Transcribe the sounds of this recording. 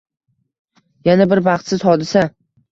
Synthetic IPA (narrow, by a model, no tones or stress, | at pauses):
janabɪɾbɑχt̪sɪzhɒd̪ɪsa